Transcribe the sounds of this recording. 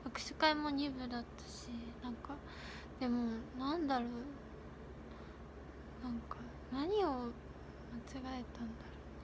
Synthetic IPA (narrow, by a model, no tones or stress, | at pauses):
ɡakɯ̟̥ɕi̥kaimo̞ɲ̟ibɯ̟d̪at̪ːḁɕinãŋka | d̪̥e̞monãnd̪aɾo | nãŋka | naɲ̟io̞ | mat͡ɕiɡae̞t̪ãnd̪aɾo